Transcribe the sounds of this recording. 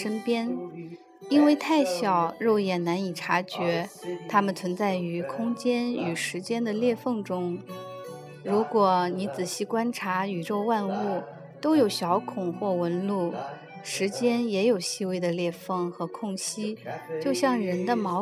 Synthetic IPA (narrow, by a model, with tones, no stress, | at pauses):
ʂə˥npjɛ˥n | i˥nwe˥˧ɪt̪ʰa˥˩ɪɕjɑ˨˩ʊɻo˥˩ʊjɛ˨˩nna˧˥ni˨˩ʈ͡ʂʰa˧˥t͡ɕɥɛ˧˥t̪ʰa˥mə˨nt͡sʰwə˧˥nt͡sa˥˩ɪy˧˥kʰʊ˥ŋt͡ɕjɛ˥ny˨˩ʂɻ̩˧˥t͡ɕjɛ˥nd̪ə˨ljɛ˥˧fɤ˥˩ŋʈ͡ʂʊ˥ŋ | ɻu˧˥kwɔ˨˩ni˧˥t͡sɹ̩˨˩ɕi˥˩kwa˥nʈ͡ʂʰa˧˥y˨˩ɻo˥˧ʊwa˥˧nu˥˩ | t̪o˥ʊjo˨˩ʊɕjɑ˧˥ʊkʰʊ˨˩ŋxwɔ˥˩wə˧˥nlu˥˩ | ʂɻ̩˧˥t͡ɕjɛ˥njɛ˧˥jo˨˩ʊɕi˥we˥˩ɪd̪ə˩ljɛ˥˧fɤ˥˩ŋxɤ˧˥kʰʊ˥˩ŋɕi˥t͡ɕjo˥˧ʊɕjɑ˥˩ŋɻə˧˥nd̪ə˧mɑ˧˥ʊ